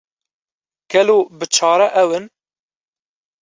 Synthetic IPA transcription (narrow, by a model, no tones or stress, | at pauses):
ɡ̥ɛloːbɨt͡ʃʰɑːɾɛʔɛwɨn